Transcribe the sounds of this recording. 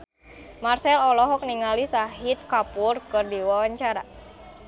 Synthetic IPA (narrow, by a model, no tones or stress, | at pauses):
marsɛlɔlɔɦɔk̚niŋalisaɦit̪̚kapʊrkɨrdiwawaɲt͡ʃaɾa